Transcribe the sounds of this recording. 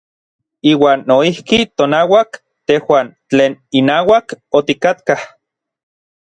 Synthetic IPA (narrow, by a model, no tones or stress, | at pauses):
iːwaːnːoihkit̪onawak | t̪ehwaːnt͡ɬeːninaːwakot̪ikat̪kah